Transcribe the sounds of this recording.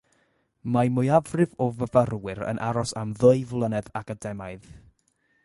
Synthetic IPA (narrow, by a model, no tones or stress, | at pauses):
majmʊjavrɨvɔvəvaərwɪɾə̰nʔaɾɔsamðəɨvlˠənɛðaɡadɛmaɨð